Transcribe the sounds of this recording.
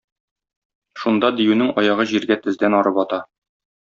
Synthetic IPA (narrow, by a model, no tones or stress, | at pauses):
ʃund̪ɑd̪ijʉnɘŋɒjɑʁɤʑiɾɡæt̪ɘ̆zd̪ænɒɾɤpɒt̪ɑ